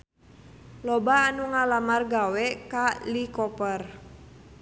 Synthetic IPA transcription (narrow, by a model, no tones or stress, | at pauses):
lɔbaːnuŋalamarɡawɛkalikɔpər